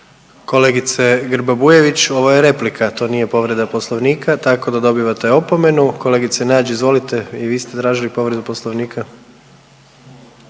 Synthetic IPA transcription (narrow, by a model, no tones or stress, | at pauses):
ko̞le̞ɡit̪seɡɾbabuje̞ʋit͡ɕo̞ʋojeɾe̞plikʰat̪o̞ːnije̞po̞ʋɾe̞d̪apo̞slˠoʋniːkat̪ako̞d̪ad̪o̞biʋat̪e̞o̞pome̞nuko̞le̞ːɡit̪senaːd͡ʒeizʋo̞lit̪e̞iʋiːst̪e̞t̪ɾaːʒilipo̞ʋɾe̞d̪uposlˠoʋniːkʰa